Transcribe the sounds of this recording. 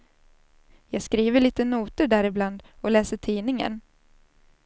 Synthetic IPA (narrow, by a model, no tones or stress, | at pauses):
jɑːɡskɾiːvəɭiːt̪ənuːt̪əɖæːɾɪbland̪ɔlɛːsəʈʰiːnɪŋə̰n